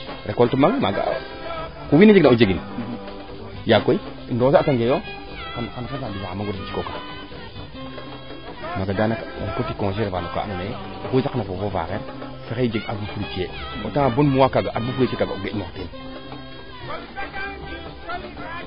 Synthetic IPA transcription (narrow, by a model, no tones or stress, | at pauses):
ɾekoltumamaɡa̰ | kuwinid͡ʒeɡnaud͡ʒeɡi | jakoi | ndosaataŋɡejo | kankanfasabiɡaamaɡoɾsit͡ʃi̥koka | maɡadanakaa̰kotːikoŋʃ̬eɾevanoka̰ʔa̰name | kosakanafovova̰keɾ | faked͡ʒeɡaɾbufuɾit͡ʃieo̰taŋabonmuwakaɡaʔaɾbufuɾit͡ʃekaɡaoenotin